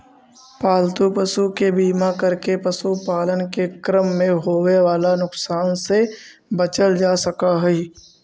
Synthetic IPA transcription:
paːlt̪upəsukebiːmakɐɾkepɐsupaːlənkekɾəmːẽɦoːweʋaːlanʊksaːnse | bɐt͡ʃəld͡ʒaːsɐkaɦɛi

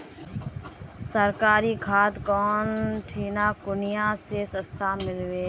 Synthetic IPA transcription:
səɾkaːɾiːkʰaːt̪kɔːnʈʰiːnaːkʊnɪjãːseːsəst̪ʰaːmɪlweː

